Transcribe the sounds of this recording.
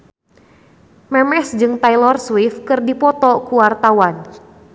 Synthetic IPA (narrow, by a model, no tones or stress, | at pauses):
mɛmɛsd͡ʒɨŋt̪ajlɔrswifkɨrdipɔt̪ɔkuwart̪awan